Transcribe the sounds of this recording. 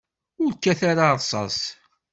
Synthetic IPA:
ʊɾkːæθaɾaɾˤsˤɑ̰s

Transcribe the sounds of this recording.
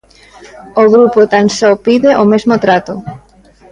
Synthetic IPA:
oɣɾupot̪ansɔpiðeʔomezmot̪ɾat̪ʊ

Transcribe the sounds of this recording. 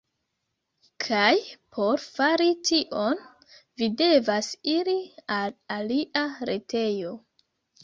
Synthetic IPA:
kʰajpʰo̞ɾfaɾitiʔon | vide̞vasiɾialaliʔaɾe̞tʰe̞jo

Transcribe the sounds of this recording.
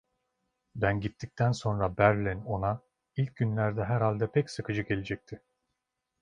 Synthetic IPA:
bænɟit̪ʰːic̚t̪ʰænso̞nɾabæɾlʲino̞na | ilʲc̚ɟynlʲæɾd̪ɛɦæɾhalʲd̪ɛpʰɛcsɯkɯd͡ʒɯɡe̞lʲed͡ʒɛc̚t̪ʰɪ

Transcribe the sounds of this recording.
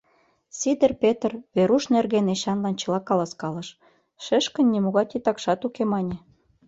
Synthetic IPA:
sid̪ə̆rpʲet̪rβeɾuʃnerɣeneɕɑnlɑnt͡ɕɤ̆lɑkɑlɑskɑlə̆ʃ | ʃeʃkə̆nʲːimoɣɑt̪it̪ɑkʃɑt̪ukemɑnʲĕ

